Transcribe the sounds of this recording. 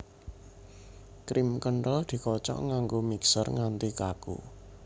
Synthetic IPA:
kɾimkəɳʈɔd̪̥i̤kɔt͡ʃɔ̰ʔŋaŋɡomiksərŋant̪ikakṵ

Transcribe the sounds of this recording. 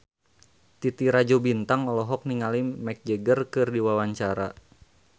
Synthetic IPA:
t̪it̪iɾad͡ʒɔbint̪aŋɔlɔɦɔk̚niŋalimɛk̚d͡ʒəɡərkɨrdiwawaɲt͡ʃaɾa

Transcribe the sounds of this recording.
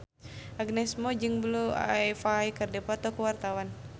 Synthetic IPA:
aɡnɛsmɔd͡ʒɨŋblua̰ɛfaikɨrdɛpat̪ɔkuwart̪awan

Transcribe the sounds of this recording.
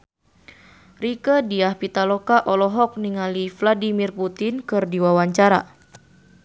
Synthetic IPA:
rikədiahpit̪alɔkaʔɔlɔɦɔk̚niŋalifladimirput̪inkɨrdiwawaɲt͡ʃaɾa

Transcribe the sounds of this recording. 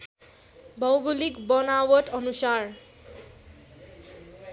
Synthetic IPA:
bɔwɡulikbɔnawɔtɔnusaɹ

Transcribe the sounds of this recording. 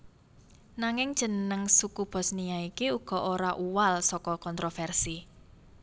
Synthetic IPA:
naŋɪŋd̥ʒ̥ə̤nnəŋsukub̥ɔ̤snijaikiuɡ̥ɔ̤ʔoɾaʔuwalsɔkɔkɔnt̪ɾofɛrsi

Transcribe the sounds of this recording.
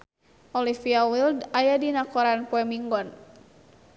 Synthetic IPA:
ʔɔlifiawildajadinakɔɾanpɔɛmiŋɡɔn

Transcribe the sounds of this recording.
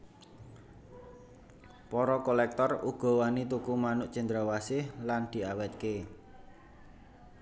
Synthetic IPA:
pɔɾɔkolɛk̚t̪ɔruɡ̥ɔ̤wanit̪ukumanʊʔt͡ʃənd̪ɾawasɪhland̪̥i̤awɛt̪̚ke

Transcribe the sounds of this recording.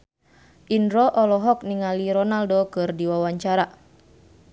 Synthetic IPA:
ʔindɾɔʔɔlɔɦɔk̚niŋaliɾɔnaldokɨrdiwawaɲt͡ʃaɾa

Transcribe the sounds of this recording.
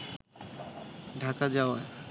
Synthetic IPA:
ɖʱakad͡ʑaoae

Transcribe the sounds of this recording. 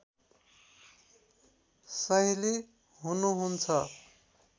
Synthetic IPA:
sʌɦile | ɦunuɦunt͡sʰʌ

